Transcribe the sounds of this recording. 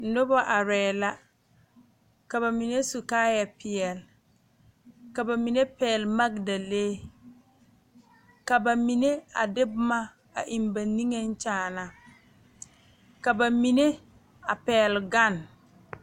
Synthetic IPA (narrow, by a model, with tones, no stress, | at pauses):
no˦bɔ˦ʔa˨ɾɛː˨la˦ | ka˨βa˨mi˨ne˦su˨kaː˦ja˨pɪ˨ɛ˨l | ka˨ba˨mi˨ne˦pɛː˨lma˦ɡda˨leː˦ | ka˨ba˨mi˨ne˦a̰˨dɪ˦bʊ˦ma˦ | a̰˨ʔi˨nba˨ni˦ŋe˦n˦t͡ʃaː˦˨na˨ | ka˨ba˨mi˨ne˦ | a˨pɛː˨lɡa˦˨n